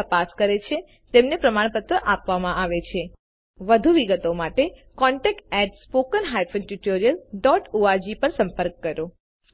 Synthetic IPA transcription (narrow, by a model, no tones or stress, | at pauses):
əpaskəɾet͡ʃʰe | t̪emnepɾəmaɳpət̪ɾəʔapʋamãʔaʋet͡ʃʰe | ʋəd̪ʱuʋiɡət̪omaʈekɔɳʈɛk̚ʈɛʈspokənɦajpʰənʈuʈoɾijəlɖɔʈoad͡ʒipəɾsə̃mpəɾkːəɾo